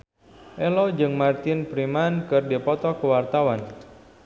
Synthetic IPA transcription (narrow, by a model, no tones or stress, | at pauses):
ʔɛlɔd͡ʒɨŋmart̪ɪnpɾimankɨrdipɔt̪ɔkəwart̪awan